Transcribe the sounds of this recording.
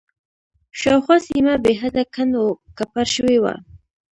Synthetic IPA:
ʃɑwxasimabeɦad̪akʰanokapaɾʃəwewa̰

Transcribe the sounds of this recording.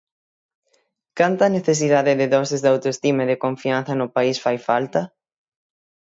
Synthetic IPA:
kant̪ɐneθes̬iðaðɪðɪðɔsɪzðawt̪oest̪imɐðɪkoɱfian̟θɐnʊpaisfajfalt̪ɐ

